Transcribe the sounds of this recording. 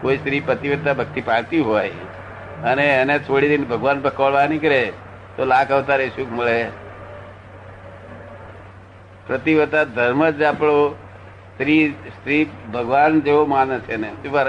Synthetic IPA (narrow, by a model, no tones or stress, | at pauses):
koist̪ɾipɾət̪iʋət̪abʱək̚t̪ipaɾt̪iɦaj | əneːnet̪ʰoɽid̪enbʱəɡʋanpəkəʋɭʋanĩkəɾe | t̪olakʰəʋt̪aɾeʃukʰməɭe | pɾət̪iʋət̪ad̪ʱəɾməd͡ʒapɽo | st̪ɾist̪ɾibʱəɡʋand͡ʒeomanet͡ʃʰenesupa